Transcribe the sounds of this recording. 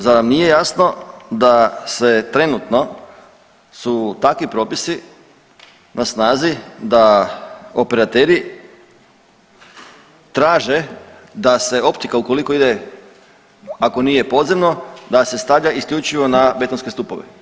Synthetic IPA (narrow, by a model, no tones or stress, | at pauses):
zanamnije̞jasno̞d̪ase̞t̪ɾe̞nut̪no̞ | sut̪akʋipɾo̞ːpisi | nʔasnaːzid̪a | ope̞ɾat̪eɾi | t̪ɾaːʒe̞ | d̪ase̞o̞pt̪ikauko̞liko̞id̪e | ako̞niːje̞po̞d̪zemno̞d̪ase̞st̪aʋʎaiskʎuːt͡ʃiʋo̞nabe̞t̪onske̞st̪upo̰ʋḛ